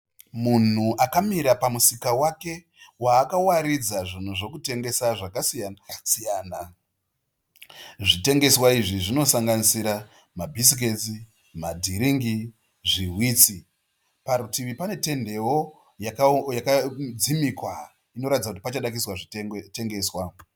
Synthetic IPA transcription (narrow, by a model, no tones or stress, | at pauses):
mun̤uʔakamiɾapamusikawake̞ | waːkawaɾid͡zaʐin̤uʐo̞kute̞ŋɡe̞saʐakasijasijaːna | ʐite̞ŋɡe̞swaiʐiʐino̞saŋɡanisiɾa | mabʱis̬ik̬e̞t͡si | madʱiɾiŋɡi | ʐiɦwiːt͡si | paɾutiʋipane̞te̞nde̞wo̞ | jakajakad͡zimikwa | ino̞ɾatid͡zakutipat͡ʃaɗak̬iswaʐiteŋɡe̞ːswa